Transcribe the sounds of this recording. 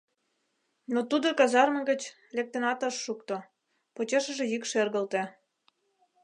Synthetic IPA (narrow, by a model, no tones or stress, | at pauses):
not̪ud̪okɑzɑrmə̆ɣə̆t͡ɕ | lek̚t̪enɑt̪ɤʃːukt̪o | pot͡ɕeʃə̆ʒĕjykʃerɣə̆lt̪ĕ